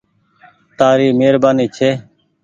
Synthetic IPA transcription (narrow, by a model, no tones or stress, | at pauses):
t̪aːɾiːmeːɾbaːniːt͡ʃʰeː